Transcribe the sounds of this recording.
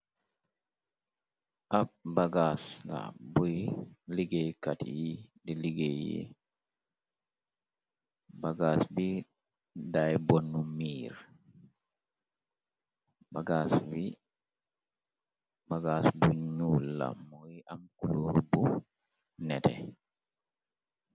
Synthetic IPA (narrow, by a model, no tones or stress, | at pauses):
ʔab̚baɡasla̰bujliɡekatijidiliɡejḭ | baɡasbi | dajbonːumiːɾ | baɡasvi | baɡasbuɲulːa̰mɔjiʔamkuluɾbu | nɛtɛ̰